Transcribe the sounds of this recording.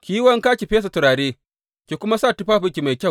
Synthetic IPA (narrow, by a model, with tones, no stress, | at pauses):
kʲiː˦wɐ˦ŋkaː˦kʲi˨ɸeː˦s̬a˨tʊ˨ɾaː˨ɽeː˦ | kʲeː˨kʷʊ˦ma˦saː˦˨tʊ˦ɸaː˦ɸɪ˨kʲi˨ma˨jkʲɐ˦˨w